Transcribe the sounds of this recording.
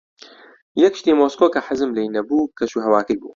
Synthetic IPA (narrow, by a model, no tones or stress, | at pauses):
jɛkʃt̪iːmoːskoːkɐħəzɨmlejnɐbuːkʰɐʃuːɦɐwaːkɨjbṵː